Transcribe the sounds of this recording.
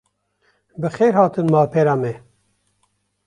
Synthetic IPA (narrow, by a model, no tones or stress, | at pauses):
bɨxeːɾhɑːt̪ɨnmɑːpʰeːɾɑːmɛ